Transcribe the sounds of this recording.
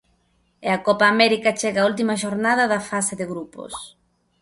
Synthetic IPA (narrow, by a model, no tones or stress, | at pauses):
eɐkɔpaːmɛɾikɐt͡ʃeɣaːult̪̬imɐʃoɾnaðɐðɐfaseðɪɣɾupo̰s